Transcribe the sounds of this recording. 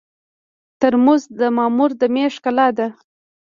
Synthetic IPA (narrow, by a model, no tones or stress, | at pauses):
t̪əɾmuzd̪əmɑmuɾd̪əmeʂkalɑd̪a